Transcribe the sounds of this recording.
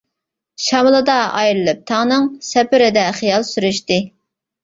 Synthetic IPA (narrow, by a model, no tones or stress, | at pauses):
ʃɑmlˠɨd̪ɑɑjɾɨlˠɨp̚t̪ʰɑŋnɨŋsɛpɪɾɪd̪ɛχijɑlˠsyɾyʃt̪ɨ